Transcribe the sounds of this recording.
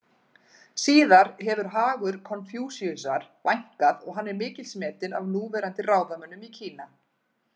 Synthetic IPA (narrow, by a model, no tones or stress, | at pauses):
siːðaɾ̥ɦɛvʏɾ̥ɦaːɣʏɾkʰɔnfjuːsiʏsaɾ̥vajŋ̥kaðɔɣɦanːɛɾmɪːcɪlsmɛːt̪ɪna̰vnuːvɛːɾant̪ɪraːwðamœnːʏmicʰiːna